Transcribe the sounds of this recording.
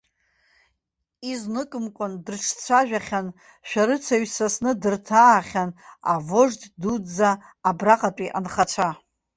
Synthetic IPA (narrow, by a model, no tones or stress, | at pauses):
iznɨkʼɨmkʷʼʊndɨrʈ͡ʂʰt͡sʷʰaʒᶣaχʲan | ʃᶣaɾɨt͡sʰaɥsasnɨdɨrtʰaːχʲanavoʐddud͡zaː | braqʼapʼiʔa̰nχat͡ʃʷʰa